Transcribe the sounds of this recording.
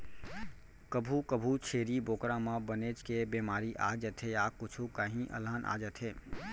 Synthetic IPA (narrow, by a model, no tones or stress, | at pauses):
kəbʱukəbʱut͡ʃʰeːɾiboːkɾãmãbəneːt͡ʃkebeːmaːɾiʔaːd͡ʒət̪ʰɦejaːkʊt͡ʃʰukaɦĩʔə̰laːnʔa̰ːd͡ʒət̪ʰɦeː